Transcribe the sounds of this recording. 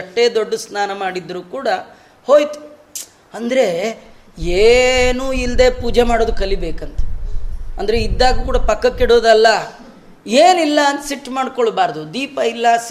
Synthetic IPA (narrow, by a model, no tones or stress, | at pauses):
ɐʈːeːd̪oɖːɐsnaːnɐmaːɽid̪ːɾuːkuːɽɐ | ho̞ːjt̪u̥ | ɐnd̪ɾe̞ | eːnuːild̪e̞ːpuːd͡ʒemaːɽoːd̪ukɐlibe̞ːkɐnt̪e̥ɐnd̪ɐɾeid̪ːaːɡukuːɽɐpɐkːɐkːiɽoːd̪ɐlːɐ | eːnilːɐɐnt̪ɐsiʈːmaːɽkoɭbaːɾd̪ud̪iːpɐilːɐs